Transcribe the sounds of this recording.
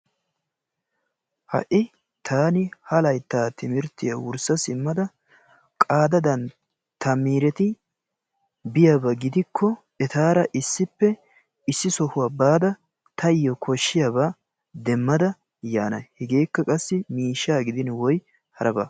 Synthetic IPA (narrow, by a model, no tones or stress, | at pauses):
hɐ̰ʔɪ | t̪ʰaːnɪhɐlɐjt̪ːaːt̪ɪmɪɾt̪ɪjawʊɾsɐsɪmːɐd̪ɐ | kʼaːd̪ɐd̪ɐn | t̪ɐmːiːɾɛt̪ɪ | bɪjabɐɡɪd̪ɪkʰːɔ | ɛt̪aːɾɐʔɪsːɪpːɛ | ɪsːɪsɔhʊwaːbaːd̪ɐ | t̪ʰɐɪjɔkʰɔʃːɪjaba | d̪ɛmːɐd̪ɐ | jaːnɐ̰hɛɡe̞ːkːɐkʼɐsːɪmiːʃːaːɡɪd̪ɪnwɔj | hɐɾɐbɐ̰